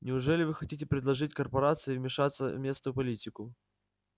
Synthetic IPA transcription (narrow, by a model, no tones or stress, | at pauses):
nʲɪʊʐɛlʲɪvɨxɐtʲitʲɪpɾʲɪd̪lˠɐʐɨtʲkərpɐɾat̪sɨɪvmʲɪʂat̪sːə̰vmʲe̞snʊjʊpɐlʲitʲɪkʊ